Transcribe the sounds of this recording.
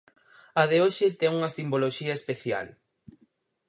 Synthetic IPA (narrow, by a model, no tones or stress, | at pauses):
aðeoʃɪt̪ɛŋuŋɐsimboloʃiɐespeθja̰l